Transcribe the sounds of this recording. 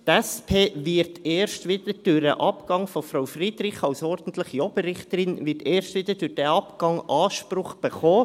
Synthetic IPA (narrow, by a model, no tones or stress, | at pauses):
t̪ɛspʰeːvɪɾteːɾʃtʋɪd̥̪əd̥ʊɾdə̰ʔɑpkɑŋfɔfɾaʊwfrid̪ɾɪχɑwsɔɾd̥ən̩t̪lɪχjɔb̥əɾɪχt̪əɾɪnvɪɾteːɾʃtʋɪd̪ədʊɾd̥ɛɑpkɑŋɑːʃpɾʊχb̥əχɔː